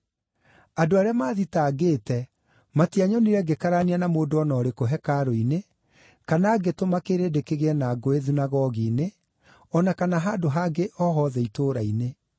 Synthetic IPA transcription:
adoaɾeamaːðitaːɡeːtɛ | matiaɲɔniɾɛɡekaɾanianamoːdoɔnɔːɾekoɦɛkaɾoine | kanaːɡetomakeɾedekeɣeɛnaɡoeðunaɣɔɣine | ɔnakanaɦaːdoɦaːɡeʔɔɦɔðɛitoːɾaine

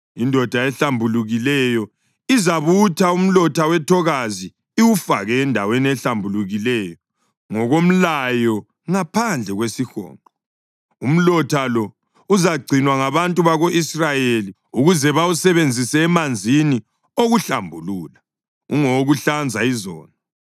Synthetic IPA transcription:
indʱɔd̥ʱaɛɬambʱuluɣilɛjɔ | izaβutʰaum̩lɔtʰawɛtʰɔɣazi | iwufaɣɛːndʱaweniɛɬambʱuluɣilɛjɔ | ŋɔɣom̩lajɔ | ŋapʰand͡ɮʱɛɣwesixɔ̰ːŋǃʱɔ | um̩lɔtʰalɔ | uzaɡ͡ǀʱinwaŋaβantʼuβaɣoʔisrajeli | uɣuzɛβawusɛβend͡zʱisɛːmand͡zʱini | oɣuɬambʱuluːla | ṵŋoɣuɬand͡zʱaizɔ̰ːna

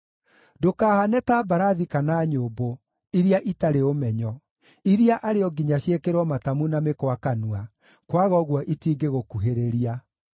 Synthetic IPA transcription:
dokaːhanɛtabaɾaðikanaɲoːbo | iɾjaʔitaɾeomɛɲɔ | iɾiaʔaɾeɔɡiɲaɕjekeɾwɔmatamunamekwakanua | kwaɣɔɣwɔʔitiːɡeɣokuɦeɾeɾia

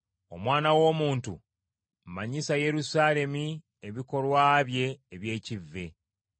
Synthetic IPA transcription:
o̞̰mwaːnawo̞ːmuːntṵ | mmaɲisaje̞ɾusaːle̞mi | eβiko̞lwaːβje̞ːβje̞ːcivːe̞

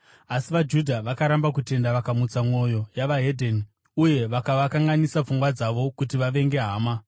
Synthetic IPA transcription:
asiʋad͡ʒudʱaʋakaɾambakute̞ndaʋakamut͡samo̞jo̞jaʋaɦe̞dʱeni | uje̞ʋakaʋakaŋɡanisap͡fuŋɡwad͡zaʋo̞kutiʋaʋe̞ŋɡe̞ɦaːma

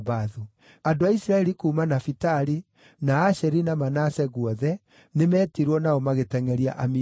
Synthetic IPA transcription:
βaðu | andoaisiɾaɛɾikuːmanafitaɾi | naːʃɛɾinamanasɛɣwɔðɛ | nemɛːtiɾwɔnaɔmaɣetɛŋɛɾia̰ʔami

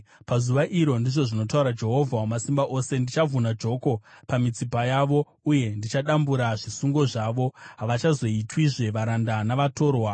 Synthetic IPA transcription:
pazuʋaʔiɾo̞ndiʐo̞ʐino̞tauɾad͡ʒe̞ɦo̞vʱaumasimbaʔo̞se̞ndit͡ʃavʱunad͡ʒo̞ko̞pamit͡sipajaʋo̞ | uje̞ndit͡ʃaɗambuɾaʐisuŋɡo̞ʐaʋo̞ɦaʋat͡ʃazo̞itwiʐe̞ʋaɾandanaʋato̞ːɾwa

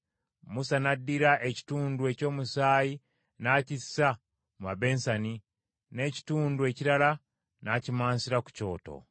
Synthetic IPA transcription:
musanadːiɾaʔe̞ci̥tuːndue̞co̞ːmusaːji | naːcisːa | muβabe̞ːnsani | ne̞ci̥tuːndue̞ciɾala | nacimaːnsiɾaku̥co̞̰ːto̰

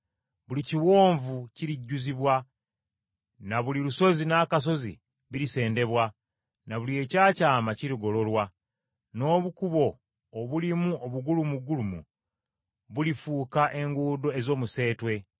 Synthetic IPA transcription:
βuliciwo̞ːɱvuciɾiɟːuziβwa | naβuliɾuso̞zinaːkas̬o̞zḭ | βiɾise̞ːnde̞βwa | naβulie̞ːcaːcaːmaciɾiɡo̞lo̞lwa | no̞ːβukuβo̞ː | βulimuʔoβuɡulumuɡulumṵ | βulifuːkaʔe̞ŋɡuːdo̞e̞zo̞ːmuse̞ːtwe̞

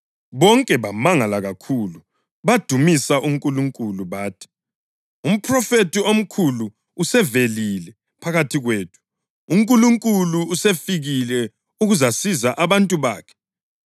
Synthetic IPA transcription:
βɔŋkʼɛβamaŋalaɣakʰulu | βad̥ʱumisaʔuŋkʼuluŋkʼuluβaːtʰi̥ | um̩pʰrɔfetʰiom̩kʰuluː | sɛvelilɛ | pʰaɣatʰiɣweːtʰu̥ | uŋkʼuluŋkʼuluusefiɣilɛ | uɣuzasizaʔaβantʼuβa̰ːkʰɛ̥

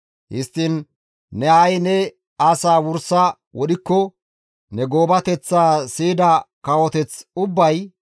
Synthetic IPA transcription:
hɪst̪ːinː | ɛɐjnɛ | ɐsaːwʊɾsɐ | wɔɗɪkːɔ | nɛɡo̞ːbɐt̪ɛt͡sːaːsiːd̪ɐkɐwɔt̪ɛt͡sʊbːɐj

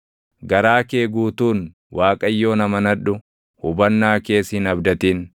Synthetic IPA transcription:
ɡɐɾaːke̞ːɡuːt̪uːn | waːkʼɐjːo̞ːnɐmɐnɐᶑʊ | hʊbɐnːaːke̞ːshɪnɐbd̪ɐt̪iːn

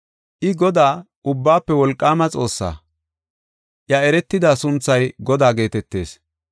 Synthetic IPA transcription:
ʔɪɡɔd̪aː | ʊbːaːpːɛwɔlkʼːaːmɐt͡sʼo̞ːsːa̰ː | ʔjɐɛɾɛt̪ːɪd̪aːsʊnt͡sːɐjɡɔd̪aːɡe̞ːt̪ɛt̪ːe̞ːs

